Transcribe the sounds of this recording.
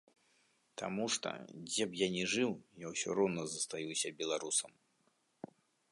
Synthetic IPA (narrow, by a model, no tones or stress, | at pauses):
t̪a̰muʂt̪ɔ̰d͡zʲɛbjanʲɛʐɨwjawsʲɔ̰ɾɔwnɐzɐst̪ajusʲɐbʲɛlˠaɾusɐm